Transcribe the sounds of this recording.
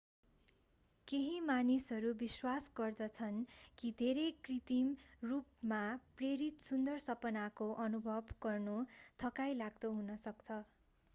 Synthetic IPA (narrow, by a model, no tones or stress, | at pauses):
keɦimanisʌɾubiswasɡʌrd̪ʌt͡sʰʌnkid̪ʱeɾejkrit̪imrup̚mapreɾit̪sund̪ʌrsʌpʌnakoʔʌnubʱʌbɡʌrnut̪ʰʌkajlaɡd̪ʌɦunʌsʌkt͡sʰʌ